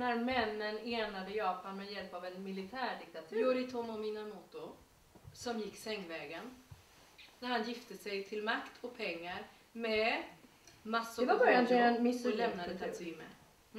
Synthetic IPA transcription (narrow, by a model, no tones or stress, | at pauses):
næɾmɛnːəneːnad̪əjɑːpanmɛjɛlpavɛnmɪlɪt̪ʰæːɖɪk̚t̪at̪ʰʉjuɾɪt̪ʰɔmɔminamuːt̪ʊ | sɔmjɪkːsɛŋːvɛːɡən | næɾhanjɪft̪əsɛjt̪ʰɪlmakt̪ʰɔk̚pʰɛŋːaɾ | mɛ | masːɛvabœɾjand̪ɛɛnmɪslɛmnad̪ət̪ʰasɪmːə̰